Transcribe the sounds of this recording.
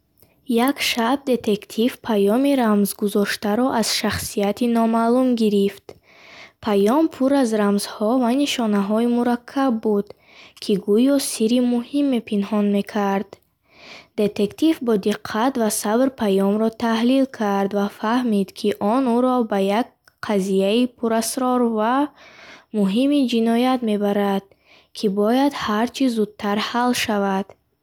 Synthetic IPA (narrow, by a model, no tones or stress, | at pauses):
jakʃab̚d̪e̞t̪ʰe̞kt̪ʰivpʰajɔmiɾamzɡuzɔʃt̪aɾɔʔaz̥ʃaχsijat̪ʰinɔmalumɡiɾift̪ | pʰajɔmpʰuɾazɾamz̥hɔvaniʃɔnaɦɔimuɾakʰːabːud̪ | kʰiɡujɔsiɾimuhimːe̞pʰinhɔnme̞kʰaɾd̪̥ | d̪e̞t̪e̞kt̪ifbɔd̪iqʰːat̪vasabɾpʰajɔmɾɔt̪ʰahlilkʰaɾd̪vafahmid̪kʰiʔɔnuɾɔbajaɡ̚ | qʰazijaipʰuɾasɾɔɾva | muɦimid͡ʒinɔjat̪me̞baɾad̪̥̚ | kʰibɔjad̪haɾt͡ʃʰizud̪̚t̪ʰaɾhalʃavad̪̥